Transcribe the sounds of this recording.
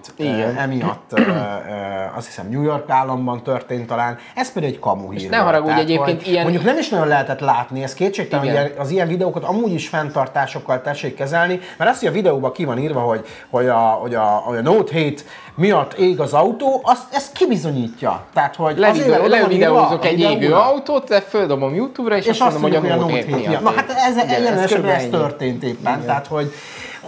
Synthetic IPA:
t̪iɛmijɒ̰t̪ː | ɒ̰st̪hi̥sɛ̰mɲuːjo̞rkaːlːɒmbɒnt̪ørt̪eːnt̪ɒlaːn | ɛspɛd̪iɡɛckɒmṵhḭːrnɛmɦɒɾɒɡuːɛɟeːpeːnt̪iɛmo̞ɲɟuknɛmiʃnɒɟonlɛɦɛt̪ɛt̪laːt̪niɛst̪keːtt͡ʃeːkt̪ɛoɛɒzijɛɱvid̪ɛoːkɒt̪ɒmuːɟiʃfɛnt̪ɒrt̪aːʃo̞kːɒlt̪ɛʃːeːkːɛzɛlnimɛɾɒst̪ʰːojɒvid̪ɛoːbɒkivɒniːrvɒɦo̞ɟ | ho̞ɟɒho̞ɟɒoɟɒnoːt̪ɦeːt̪ | mijɒt̪ːeːɡɒzɒut̪oːʔɒst̪ɛst̪kibizo̞ɲiːcːɒ̰t̪aːt̪ho̞ɟeːɛloɔiiːɛɒzoɛid̪eːovøːɒwt̪oːt̪ɛføld̪obomjuːt̪uːbrɒeʃeʃsʃɒsnt̪d̪mmouohojɒoːheːt̪mijɒt̪nɒɦat̪ɛzɛɛjɛlɛnɛʃɛɛɛst̪ørt̪eːnt̪eːpːɛnt̪aːt̪ho̞ɟ

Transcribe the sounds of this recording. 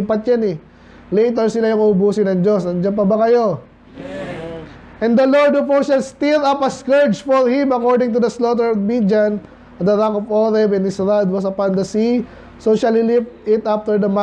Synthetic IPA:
pɐt̪̚janɛ | lejt̪̬ɛɹsɪlajʊŋɐʊbuːsɪnɐŋd͡ʒo̞sɐnd͡ʒanp̬ɐbɐkɐjo̞ | ʔɛ̃nd̪ɐloɹd̪ɔfɔʃɐlst̪iɾɐpɐskɛɹd͡ʒfɔɹhɪ̃mɐkoɹd̪ɪ̃ŋt̪ʊd̪ɐslot̪̬ɛɹɔvmid͡ʒan | d̪ɐɾakɔvoɾɛvɛ̃nɪsɹad̪̚wɐsɐpand̪ɐsi | soʃalɪlɪpt̪ɪt̪aft̪ɛɹd̪ɐma

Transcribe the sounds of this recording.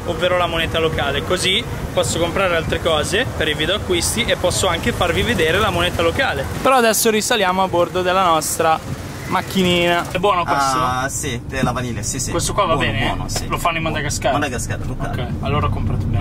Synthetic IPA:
ovːeːɾolamoneːt̪alokaːlekozi | pːɔsːokompɾaːɾealt̪ɾekɔːzepeɾiviːd̪eoakːwist̪iʔepːɔsːoaŋkefarvived̪eːɾelamoneːt̪alokaːlepeɾɔad̪ɛsːoɾisaljaːmoabord̪od̪elːanɔst̪ɾa | makʰːiniːnaɛbwɔːnokwest̪osilavaniːlesiskwest̪okwavabɛːneilofanːoimːɔnt̪aɡaskaɡaska | okːɛ | alːoːɾaɔkompɾat̪b

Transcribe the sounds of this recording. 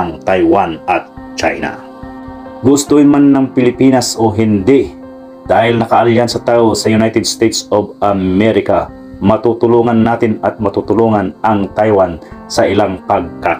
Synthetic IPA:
aŋt̪ajwanʔɐt̪̚ | t͡ʃa̰jna̰ | ɡʊst̪oɪnmanːɐŋpɪlɪpiːnasʔoɦɪnd̪ɪʔ | d̪̥aːhɪlnɐkɐʔaliːhansɐt̪aːʔosɐjʊnajt̪ɛd̪̚st̪ɛjt̪sobɐmmɛɾɪka | mɐt̪ut̪ʊluːŋɐnːaːt̪ɪnɐt̪̚mɐt̪uːt̪ʊluːŋɐnʔɐŋt̪ajwansɐʔɪlaŋpɐɡ̚ka

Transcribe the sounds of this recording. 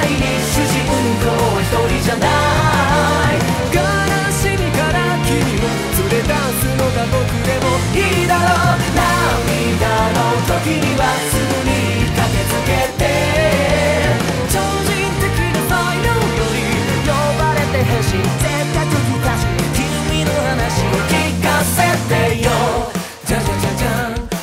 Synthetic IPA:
iɲiɕiɕikɯ | k̪oet̪oɾiʑana | j | ɡa | ɾaɕiɲikaɾa | kʲiɲio | sɨɾet̪a | sɨnot̪at̪okɯd̪emo | id̪aɾonami | d̪aɾo | t̪okʲiɲiwasɨɡɯɲi | kaket͡sɨket̪e | t͡ɕo | d͡ʑi | t̪ɯkinona | jo | joɾi | jo | baɾet̪eɦaɕi | sekakɯkɯt̪aɕikiminohanaɕiokikased̪ejo | d͡ʑad͡ʑad͡ʑad͡ʑa

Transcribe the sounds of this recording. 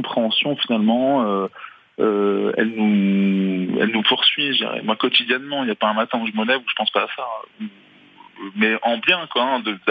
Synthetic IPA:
kɔ̃pχeɑ̃sjɔ̃finalmɑ̃ø | øɛ̰lnu | ɛ̰lnupuʁsɥiʒd̪ḭʁɛ̰mwakɔt̪id̪jɛnmɑ̃iljapaɛ̃mat̪ɛ̃uʒəməlɛvuʒə̥pɑ̃spaːsau | mɛʔɑ̃bjɛ̃kwaɛ̃d̪əd̪

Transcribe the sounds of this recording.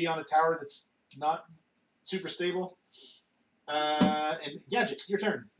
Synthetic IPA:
iə̃nɨtʰaʊə˞ðæts | nət̚ | sʉpə˞steɪbl̩ˠ | ʌɨ̃nɡæd͡ʒɨtjə˞tʰɜ̃˞n

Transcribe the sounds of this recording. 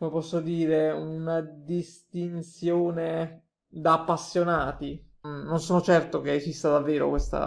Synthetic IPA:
komepɔsːod̪iːɾeunad̪ist̪insjoːne | d̪aːpːasːjonaːt̪i | nonsoːnot͡ʃɛrt̪okeːzist̪ad̪avːeːɾo̰kwest̪a̰

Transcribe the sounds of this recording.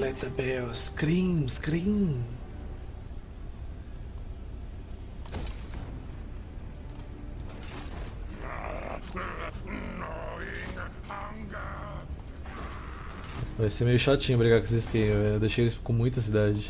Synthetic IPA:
lɛt̪ɐbɛskɾĩmskɾĩ | a̰ | nɔenahaŋɡa | vajsemejʊʃat͡ʃĩɲʊbɾiɡaɾkeseskẽmd̪ejʃejelɪskõmũj̃t̪ɐs̬id̪ad͡ʒɪ

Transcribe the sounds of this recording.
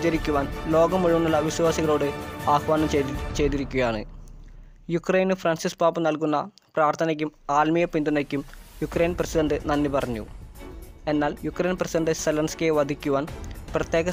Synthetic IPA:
d͡ʑɐɾikʲːuʋaːnlo̞ːɡɐmuɻuʋunːulːɐʋiɕʋaːsiɣɐɭo̞ːɽɨaːxʋaːnɐmt͡ɕe̞jt̪iɾikʲːuɣɐjaːɳɨ̰ | jukrejnɨfrɐnsispaːpːɨnɐlkunːɐ | praːrt̪ʰɐnɐk̬ʲːumaːlmijɐpind̪unɐkʲːumjukrejnprɐsidɐɳɖɨnɐnːipɐrɐɲːṵ | e̞nːaːljukːrejnprɐsiɖɐɳɖɨselɐnskieʋɐd̪ʱikʲːuʋaːnprɐt̪je̞ːɣɐ

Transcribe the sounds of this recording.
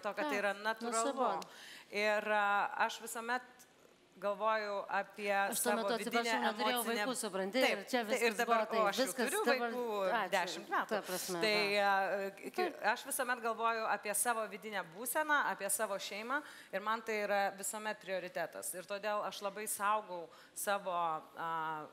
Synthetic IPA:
t̪oːkʲɐtt̪ɐɪiɾɐnɐt̪ʊɾɐlˠʊɪrɐʃʋʲɪsoːmʲɛt̪ | ɡɐlˠʋoːjʊʔɐpʲiɛʃsɑːmʲɛtoːʋʲɪdɪɪnʲɛmɾoːejɛɪʋɐɪnʲeuːsʊpɾɐnʲt̪ʲɪt̪ɐɪt͡ʃʲɛʋʲɪɾsd̪ɐbɐɾoːɐʃʲɪɛʊʊɾʲʊʋɐɪuːd̪ʲæːʃʲɪmt̪mʲæːt̪uɐpɾɐsʲmʲɛt̪ɐɪɪ | kɪɐʃʋʲɪsoːmʲɛt̪ɡɐlˠʋoːjʊɑːpʲiɛsɑːʋoːʋʲɪd̪ʲɪnʲæːbuːsʲɛnɑːɑːpʲiɛsɑːʋoːʃʲɛɪmɑː | ɪɾmɐnt̪ɐɪiːɾɐʋʲɪsoːmʲɛt̪̚pʲɾʲɪoːɾʲɪt̪ʲæːt̪ɐ̰sɪɾt̪oːd̪ʲeːlˠɐʃlˠɐbɐɪsɐʊɡɐʊ | sɑːʋoːɐ

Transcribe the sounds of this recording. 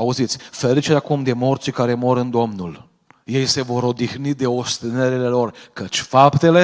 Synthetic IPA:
auzit̪sʲfe̞ɾit͡ʃeɾʲakumd̪e̞mo̞rt̪t͡ʃikaɾe̞mo̞ɾɨnd̪o̞mnul | je̞jse̞vo̞ɾo̞d̪ixnid̪e̞o̞st̪eneɾile̞lo̞rkət͡ʃʲfapt̪e̞le̞

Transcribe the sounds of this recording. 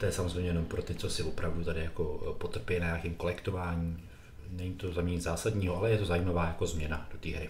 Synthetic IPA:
t̪ojɛsamozrejmɲɛjɛno̞mpɾo̞t̪ɪt͡so̞sɪvopɾavdut̪adɪjako̞po̞t̪r̩pɪɛnaɲakiːmko̞lɛkt̪o̞vaːɲiː | nɛɲit̪o̞zamɛɲɪzaːsadɲiːɦoʔalɛjɛt̪ozajiːmavaːjako̞zmɲɛnad̥o̞t̪iːɦɾɪ

